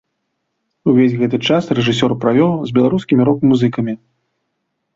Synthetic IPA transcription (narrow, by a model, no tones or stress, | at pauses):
uvʲezʲɣɛt̪ɨt͡ʂasrɛʐɨsʲɔrpɾavʲɔw̪ˠzʲbʲɛlˠaɾuskʲimʲiɾɔkmuzɨkɐmʲi